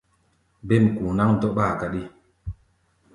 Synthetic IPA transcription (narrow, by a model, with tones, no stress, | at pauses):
be˦˨m˨ku˨na˦ŋn̩˦dɔ˦ʔɓa˦˨ka˦ɗi˦